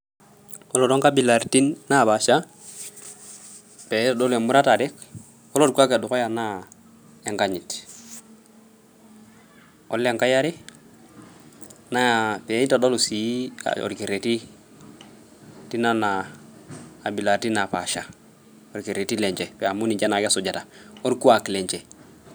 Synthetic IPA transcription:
ɔ˦lo˨do˦ŋka˦bi˨la˨ɾti˦nːa˦˨pa˨ʃa˦ | pe˨˦ta˨dɔ˦le˨mu˦ɾa˦ta˨dɛ˦k | ɔ˦lo˦tkʷa˦ka˨du˨ko˦ja˨na˦ | e˨ŋka˦ɲi˨t | ɔ̰˦lːe˨ŋka˦ja˦ɾi˦ | na˦ja˨pe˨˦ɲi˦ta˨do˦lu˨si˨˦a̰o̰˨ɾki˨ɾe˨ti˦ | ti˦na˦naː˨ | bi˨la˨ɾti˦na˨pa˨ʃa˨ | o˨ɾki˨ɾe˨ti˦le˨ɲt͡ʃe˨pe˨a˨mu˦ni˨d͡ʒa˦na˨kso˨d͡ʒa˨ta˨o˦ɾku˦a˨kle˨ɲt͡ʃe˨

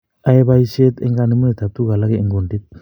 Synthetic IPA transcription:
a˦e˦βa˦i˦se˦t̪ḛ˦ŋɡa˦ni˨˦mu˦ne˨t̪a˨t̪u˦ka˨la˦ke˦i˨ŋɡo˨ndi˦t̪̚

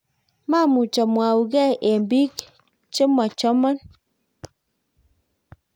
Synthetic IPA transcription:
ma˦mu˨t͡ʃɔ˨mwa˨wu˨ɡɛ˦ʔe˨mbi˦k | t͡ʃe˦mɔ˨t͡ʃɔ˦mɔ˦n

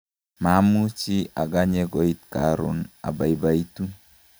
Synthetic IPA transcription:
ma˨˦mu˦t͡ʃi˦a˨ɡa˦ɲe˦ɡo˨i˦t̚ka̰˨ɾʊ̰˨na̰˨ba˨i˨ba˨i˦tu˦

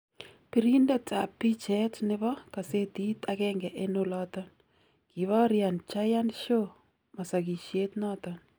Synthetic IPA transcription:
pi˨ɾi˦ndɛ˦tʰa˨pːi˦t͡ʃɛtnɪβɔ˦ka˨se˦t̪i˦t̪akɛŋɡɛ˨ʔenolɔt̪ɔn | ki˨βa˦ɾja˨nt͡ʃa˦ja˦nʃo | ma˨sa˨ɡi˨ʃjet̪nɔt̪ɔn

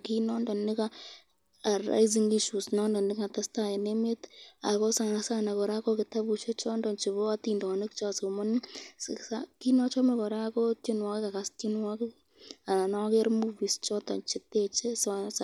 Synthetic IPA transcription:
ki˦nɔ˦ndɔ˨nɪ˦ka | a˨ra̰˦jz̬iŋi˦ʃu˨snɔ˦ndɔ˨nɪ˦ka˨ta˦sta˦e˨neme˦ta̰˨kɔ˦sa˨nasa˦na˨kɔ˨ɾa˦kɔ˦kɪ˨ta˦but͡ʃe˦t͡ʃɔ˦ndɔ˨nt͡ʃɪ˨βo˦a˦tindɔ˨nɪ˦k̚t͡ʃa˧so˨mɔ˦n˦ssa˦ki˦nɔ˦t͡ʃɔ˦me˨kɔ˨ɾa˦kɔ˦tɪ˦nwa˦kɪ˦ka˨ka˦sti˦nwa˦kɪ˦ | a˨na˨nɔ˦ke˦ɾmuvi˨st͡ʃɔ˦tɔ̰˨nt͡ʃɪ˨te˦t͡ʃe˦sasa

